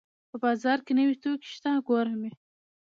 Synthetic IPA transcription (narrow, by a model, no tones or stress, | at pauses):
pəbɑzɑɾkenəwit̪okʃt̪aɡoɾame